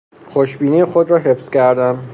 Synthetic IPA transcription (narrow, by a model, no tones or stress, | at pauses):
xoʃbiːnijexod̪ɾɒːɦefscʰæɾd̪æm